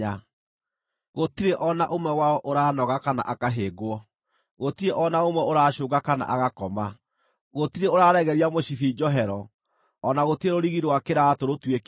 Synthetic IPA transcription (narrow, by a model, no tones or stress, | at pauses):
a | ɣotiɾeʔɔnaʔomwɛwaɔʔoɾaːnɔɣakana̰ʔakaɦeːɡwɔ | ɣotiɾeʔɔnaomwɛoɾaːɕoːɡakana̰ʔaɣakɔma | ɣotiɾeoɾaːɾɛɣɛɾiamoɕifid͡ʒɔɦɛɾɔː | naɣotieɾoɾiɣiɾwakeɾatoɾotwek